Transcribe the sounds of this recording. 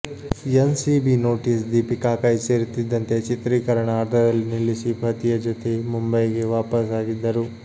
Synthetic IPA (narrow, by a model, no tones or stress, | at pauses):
ensibino̞ːʈisd̪iːpikaːkɐjseːɾt̪ːid̪ːɐnt̪e̞t͡ʃit̪ɾiːkɐɾɐɳɐːɾd̪ʰʱɐd̪ɐlːinilːisibʱɐt̪ijɐd͡ʒot̪ʰe̞mumbɐjɡe̞ʋaːpɐsaːɡid̪ːɐɾu